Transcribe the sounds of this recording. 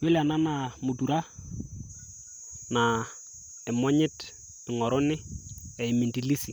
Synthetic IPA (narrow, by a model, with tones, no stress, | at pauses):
we˦lɪ˨a˨na˦na˨mʊ˨tu˨ɾa˦ | na˨ | ɛ˨mɔ˦ɲɪ˦t | ɪ˨ŋɔ˨ɾʊ˦nɪ˦ɛ˨ɪ˨mi˨nti˨li˦si˨